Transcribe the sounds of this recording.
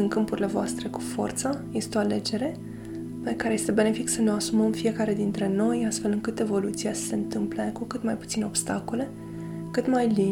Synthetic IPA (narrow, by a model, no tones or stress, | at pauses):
ɨŋkɨmpuɾile̞voast̪ɾe̞ku̥fo̞̰rt̪səje̞st̪eoale̞d͡ʒe̞ɾe̞ | pekaɾeje̞st̪e̞be̞ne̞fiksəneoasuməmfije̞kaɾe̞d̪int̪ɾe̞no̞jast̪fe̞lɨŋkɨt̪e̞vo̞lut̪siasə̥se̞ɨnt̪ɨmplekukɨt̪majput̪sino̞bst̪ako̞le̞ | kɨt̪majli